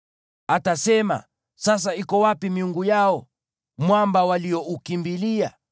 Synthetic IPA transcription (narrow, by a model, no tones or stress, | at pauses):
atasɛma̰ | sas̬aikɔwapimiuŋɡujaɔ | mwambawaliɔʔukimbilia